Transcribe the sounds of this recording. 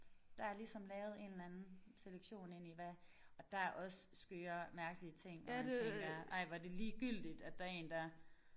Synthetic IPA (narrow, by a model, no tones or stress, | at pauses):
d̥ɑ̈æɐlisɒ̽mlɛːʊð̞̩ˠe̝nlænn̩seleɡ̥ɕo̝̰ːne̝n̰iʋæ | ɒ̽d̥æ̈ʔɒ̽ssɡ̥øːɐmæɐɡ̥əliət͡sʰe̝ŋ̰ːmæeŋɡ̥ɐʔɑ̈ɪ̰ʋɑ̈d̥e̝liːɡ̥yl̰d̥id̥æd̥ɑ̈e̝̰ːnd̥ɑ